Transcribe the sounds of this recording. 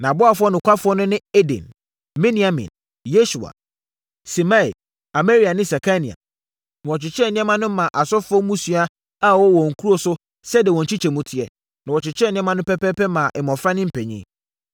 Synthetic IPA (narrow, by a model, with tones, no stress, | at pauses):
nã˨bʊ˦a˨fɔ˦nʊ̃˨kʷʰa˦fʊ˦ɔ˦nʊ̃˦nɪ̃˦e˦dɛ̰̃˨n | mɛ̃˦nĩ˨a˨mḭ̃˨n | je˦su˨a̰˨ | si˨ma˦ḭ˨ | a˨me˦ɾi˨a˨nɪ̃˦sɛ˨kʰa˦nḭ̃˨a̰˨ | nɪ̃˨wɔ˨t͡ɕɪ˨t͡ɕʰɪ˦ɛ˦˨nɪ̃˦ɛ̃˦mã˦nʊ̃˦mã˨ʔa˨sɔ˦fʊ˦ɔ˦mũ˦su˦a˦ | a˦wɔ˦wɔ̃˨ŋ̩˨kʰu˦ɾo˨sʊ˦ | sɛ˦dɛ˨wɔ̃˨ɲ̩˨t͡ɕʰi˦t͡ɕʰɛ˨mũ˨tʰɪ˨ɛ̰˨ | nã˨wɔ˨t͡ɕɪ˨t͡ɕʰɪ˦ɛ˦nɪ̃˦ɛ̃˦mã˦nʊ̃˦pʰɛ˦pɛ˦pɛ˦mã˨ʔɪ˨mɔ̃˨fɾa˦nɪ̃˦m̩˨pʰɛ˨ɲḭ̃˦˨